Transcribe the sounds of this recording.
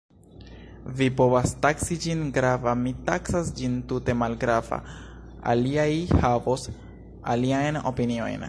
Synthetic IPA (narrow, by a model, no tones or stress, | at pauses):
vipo̞vastaksid͡ʒinɡɾavamitaksasd͡ʒintute̞malɡɾava̰ | a̰liajhavos | a̰liajno̞̰pinio̞̰jn